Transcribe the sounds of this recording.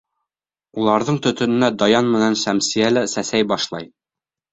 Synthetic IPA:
ulˠɑɾðɤɴt̪ɵ̆t̪ɵ̆nɘ̆næd̪ɒjɑnmɘ̆nænsæmsijælɘsæsæjbɑʃlˠɑ̰j

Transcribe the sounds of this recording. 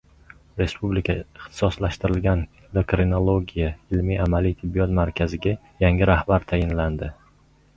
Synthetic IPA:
ɾe̞spublikʲʰaɪχt̪ʰɪ̥sɒslaʃt̪ɪɾɪlɡʲan | lokɾinolˠoɡʲijaɪlmiamalijt̪ʰɪbːijɒt̪maɾkʲʰazɪɡʲa | jaŋʲɪɾahbaɾt̪ʰajɪnland̪ɪ

